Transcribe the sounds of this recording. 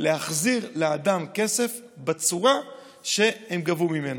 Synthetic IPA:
leaχziʁlead̪amke̞se̞f | bet͡suʁa | ʃe̞hemɡavumime̞na

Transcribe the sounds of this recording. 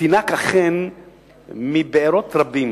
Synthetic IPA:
inakaχen | mibeeɾot̪ɾabim

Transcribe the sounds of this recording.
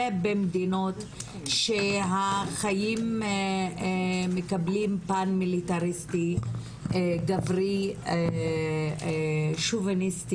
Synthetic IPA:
ebemd̪inot | ʃeɦaχajim | mekablimpanmilit̪aʁist̪i | ɡavʁi | ʃuvenist̪i

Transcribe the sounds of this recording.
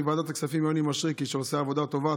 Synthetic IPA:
vaːd̪at̪aksafimjonimaʃʁikiʃeoseavod̪at̪o̞va

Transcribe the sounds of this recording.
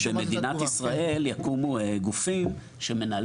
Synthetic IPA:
eme̞d̪inat̪isʁae̞ljakumueɡufim | ʃe̞me̞nal

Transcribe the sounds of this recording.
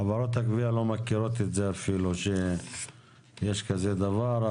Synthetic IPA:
avaɾot̪hakvialo̞makiɾo̞t̪et̪zeafiluʃe | jeʃkazed̪avaɾ

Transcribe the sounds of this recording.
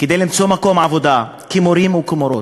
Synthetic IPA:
ked̪ejlimt͡so̞mako̞mʕavo̞d̪a | kimoɾimukimoɾo̞t

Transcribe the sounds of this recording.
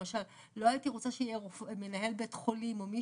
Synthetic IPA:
aʃalː | o̞ajitiʁot͡saʃeijeʁofme̞naɦe̞lbetχo̞limo̞mi

